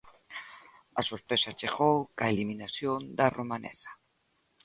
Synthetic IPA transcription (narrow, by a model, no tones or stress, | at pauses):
asospesat͡ʃeɣowkaeliminasjond̪aromanḛsḁ